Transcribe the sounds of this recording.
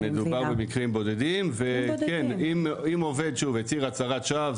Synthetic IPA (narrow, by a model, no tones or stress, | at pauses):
ed̪ubaʁbemikʁimbo̞d̪e̞dimvekenimimo̞ve̞d̪ʃuvet͡siʁat͡saʁat̪ʃav